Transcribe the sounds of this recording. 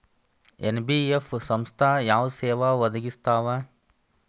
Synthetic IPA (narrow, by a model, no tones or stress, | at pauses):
ḛnbiːefsɐmst̪ʰaːjaːʋseːʋaʋɐd̪ɐɡist̪aːʋa